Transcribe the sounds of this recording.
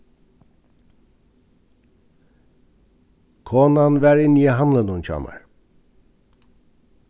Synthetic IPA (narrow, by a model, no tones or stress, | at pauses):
kʰonanvæɾinjɛɦamlˠanunt͡ʃʰa̰ma̰ɾ